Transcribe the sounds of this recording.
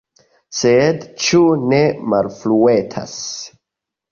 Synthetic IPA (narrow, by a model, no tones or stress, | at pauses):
sedt͡ʃunemalfluetʰa̰s